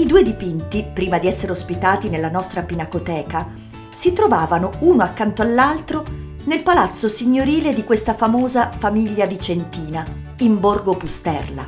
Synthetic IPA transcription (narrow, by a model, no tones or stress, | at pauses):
id̪uːed̪ipint̪ipɾiːmad̪iɛsːeɾeospit̪aːt̪inelːanɔst̪ɾapinakot̪ɛːka | sit̪ɾovaːvanouːnoakːant̪oalːalt̪ɾo | nelpalat̪sːosiɲːoɾiːled̪ikwest̪afamoːzafamiʎːad̪it͡ʃent̪iːna | imborɡopust̪ɛrla̰